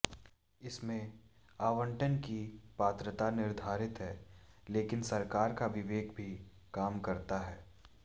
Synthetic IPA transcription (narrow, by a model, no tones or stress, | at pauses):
ɪsmẽ | aːʋə̃ɳʈənkipaːt̪ɾət̪anɪɾd̪ʱaːɾɪt̪ɦɛːleːkɪnsɐɾkaːɾkaʋɪʋeːkbʱi | kaːmkɐɾt̪aɦɛː